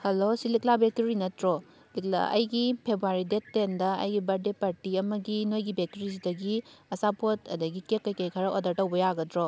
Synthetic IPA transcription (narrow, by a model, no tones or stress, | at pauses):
hɐlosiliklabek̚tuɾinɐtɾo | likla̰ʔɐ̰jɡipʰebɾuaɾidetːendɐɐ̰jɡibɐɾdepaɾtiɐmɐɡinojɡibek̚tuɾisidɐɡiɐsapʰotɐdɐɡikekːɐjkɐjkʰɐɾɐʔodɐɾtɐwbɐjaɡɐdɾɔ